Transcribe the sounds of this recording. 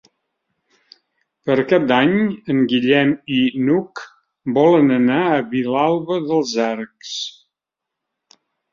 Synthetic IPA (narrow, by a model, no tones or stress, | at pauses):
pəɾkap̚d̪aɲəŋɡiʎɛminuk | bɔlənənaəβilalˠβəðəlˠzaɾks